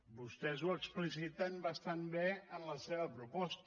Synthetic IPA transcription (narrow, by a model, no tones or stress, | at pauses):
bust̪ɛzuəksplis̬it̪ənbəst̪anbeənləseβəpɾupɔst̪